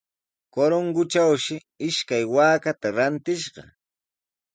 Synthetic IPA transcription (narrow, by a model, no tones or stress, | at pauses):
koɾoŋɡʊt͡ʃawʃɪ | ɪʃkajwaːkat̪aɾant̪ɪʃɢɑ̰